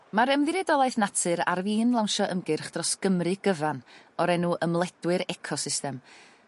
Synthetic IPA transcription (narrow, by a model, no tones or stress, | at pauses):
maɾəmðɨɾɛdɔlˠajθnatʰɨɾa̰rviːnlˠawnʃɔʔəmɡɨrχd̥rɔsɡ̥əmrɨɡ̥əvan | ɔɾɛnuʔəmlˠɛd̥wɨɾɛkʰɔsɪstɛm